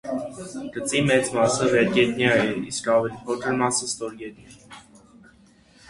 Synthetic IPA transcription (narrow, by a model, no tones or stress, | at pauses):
ɡ̥ət͡simɛt͡smɑsəvɛɾɡɛt̪njɑjɛiskɑvɛlipʰɔkʰəɾmɑsəst̪ɔɾɡɛt̪nɑ